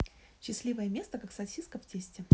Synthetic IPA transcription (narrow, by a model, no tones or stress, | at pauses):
ɕːɪsʲlʲivəjəmʲe̞st̪əkaksɐsʲiskəftʲesʲtʲɪ